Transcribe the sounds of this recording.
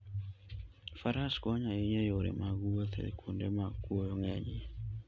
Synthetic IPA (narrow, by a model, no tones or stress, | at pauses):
faɾaskɔɲaiɲɛjoɾḛmaɣuɔθɛ̰kʰundemakuojɔŋɛɲi